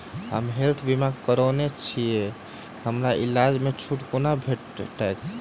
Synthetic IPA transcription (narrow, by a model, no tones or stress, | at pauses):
həmɦelt̪ʰbimaɡkəɾənet͡ʃʰije | həmɾaʔilad͡ʒmet͡ʃʰuʈkonabʱeʈʈak